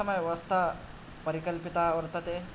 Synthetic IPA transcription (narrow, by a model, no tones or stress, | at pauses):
ɐməjʋɐst̪a | pəɾikəlpit̪aʋəɾt̪ət̪e